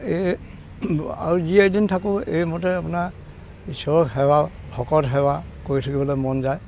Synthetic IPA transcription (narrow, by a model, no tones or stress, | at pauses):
e | a̰ɹuziejdintʰakʊ̃ḛjmɔtɛapunaɹ | isɔɹɔkɦɛwa | bʱʰɔkɔtɦɛwakoɹitʰakibɔlojmɔnzaj